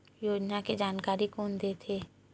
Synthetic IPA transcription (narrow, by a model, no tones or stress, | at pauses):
joːd͡ʒnaked͡ʒaːnkaːɾikoːnd̪eːt̪ʰeː